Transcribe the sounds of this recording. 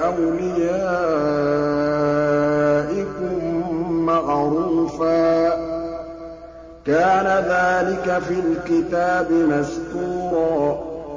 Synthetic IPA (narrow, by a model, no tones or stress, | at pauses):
ʔawlɪjaː | ʔɪkʊmmaɣɾuːfaː | kaːnaðaːlɪkafilkɪt̪aːbɪmaskuːɾˤɑː